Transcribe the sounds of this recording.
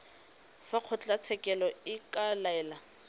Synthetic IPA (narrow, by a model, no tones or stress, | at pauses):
faq͡χʰʊt͡ɬʼat͡sʰɛkʼɛlɔɪkʼalaɛːla